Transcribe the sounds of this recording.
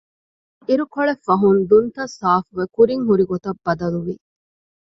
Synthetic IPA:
iɾukoɭefɐɦund̪unt̪ɐsaːfuʋekuɾiŋɦuɾiɡot̪ɐbːɐd̪ɐluʋi

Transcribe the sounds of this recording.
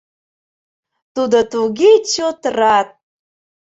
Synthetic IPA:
t̪ud̪ot̪uɣet͡ɕot̪rɑt̪̚

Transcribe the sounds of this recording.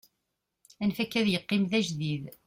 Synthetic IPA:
ænfækːæðjəqːɪmðæʒðið

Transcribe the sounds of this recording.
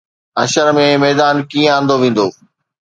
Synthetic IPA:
ɐʃəɾmẽmɛːd̪aːnkiːə̃ãːnd̪oʋẽːn̆d̪oː

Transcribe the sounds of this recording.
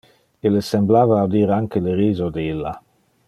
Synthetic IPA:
ilːesemblaːvaːd̪iːɾaŋkeleɾiːzod̪eilːa̰

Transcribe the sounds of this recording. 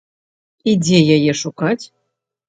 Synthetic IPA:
id͡zʲɛjajɛʂukat͡sʲ

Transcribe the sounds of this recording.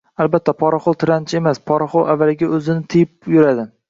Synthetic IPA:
albat̪ʰːapʰɒɾaχowˠt̪ʰɪɾant͡ʃʰemaspʰɒɾaχowavːalɪɡʲaɵzɪnɪt̪ʰɪjɪpjʊɾad̪ɪ

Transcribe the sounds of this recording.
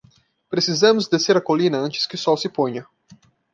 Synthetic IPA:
pɾesizɐ̃mʊzd̪eseɾɐkolĩnɐɐ̃nt͡ʃɪ̥skɪʊsɔwsɪpõɲɐ

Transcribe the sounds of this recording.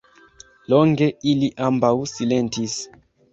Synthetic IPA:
loŋɡe̞iliʔambawsile̞ntis

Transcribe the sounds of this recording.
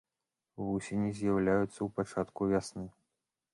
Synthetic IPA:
vusʲenʲizʲjɐwlʲajut̪sːɐwpat͡ʂat̪kuvʲasnɨ

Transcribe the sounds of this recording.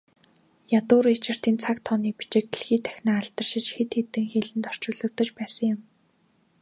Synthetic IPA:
jat̪ʊːɾit͡ɕɪ̆r̥t̪iːnt͡sʰakt̪ʰɔniːpi̥t͡ɕɪ̆k̚eɮxiːt̪ʰæ̥xʲnaːaɮt̪ə̆rʃɪ̆t͡ɕxet̪xet̪ɘ̆ŋxeɮɘ̆nt̪ɔr̥t͡ɕʊːɮɵ̆kt̪ə̆t͡ɕpæːsə̆ŋjɪ̆m

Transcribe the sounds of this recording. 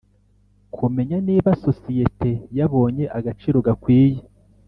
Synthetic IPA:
kʰume̞ɲaniːβaso̞sije̞te̞jaβo̞ːɲe̞ʔaɡat͡ʃiɾo̞ɡakwiːje

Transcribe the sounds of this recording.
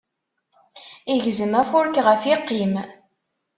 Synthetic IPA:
iʝzəmæfʊɾkʁəfiqːim

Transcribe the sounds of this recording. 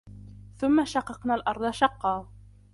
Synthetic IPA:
θʊmːaʃɑqːɑqnaːlʔɑɾˤd̪ˤɑʃɑqːɑː

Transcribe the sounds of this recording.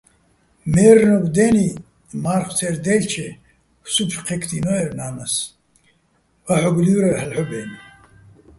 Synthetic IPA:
mɛːɾnɔɡd̪ɛːni | maːɾχt̪ʰɛɾd̪ɛːlt͡ʃʰɛ | supʃqʰɛkʰt̪ʰinɔɛɾnaːnas | vaħɔɡliwɾaɾħəlħɔbɛːni

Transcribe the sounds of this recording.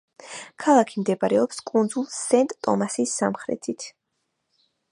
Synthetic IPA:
kʰalˠakʰimd̪ɛbaɾɛɔpskʼund̪zulˠsɛnt̪ʼt̪ʼɔ̰masisːa̰mχɾɛ̰t̪ʰit̪ʰ

